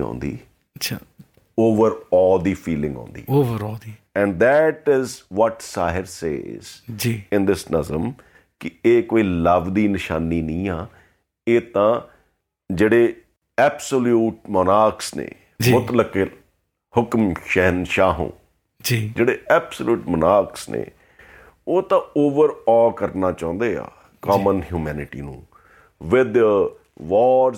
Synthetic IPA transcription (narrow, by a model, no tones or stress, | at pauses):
õ̰ːnd̪ḭː | t͡ʃʰa | oːʋəɾɔːld̪iːpʰiːlɪ̃ŋɡɔ̰̃ːnd̪ḭːoːʋəɾɔld̪i | ɛ̃ːɳɖd̪ɛʈɪzʋɔʈsaːɦɪɾsḛːzd͡ʒiːɪ̃nd̪ɪsnəzəm | kɪeːkoːiːləʋd̪iːnɪʃaːniːnĩːaː | eːt̪ãː | d͡ʒeːɽeː | ɛːpsəljuːʈ̚mənaːksnḛː | d͡ʒimʊt̪ləke | hʊkmʃɛɦnʃaːɦṵ̃ː | d͡ʒid͡ʒeːɽeːɛːpsəljuːʈmənaːksnḛ̃ː | oːt̪ãːoːʋəɾɔːlkəɾnaːt͡ʃãːʊ̃nd̪eːa̰ː | kaːmənɦjuːmɛːnɪʈḭːnṵ̃ː | ʋɪd̪ | ʋɔːɾ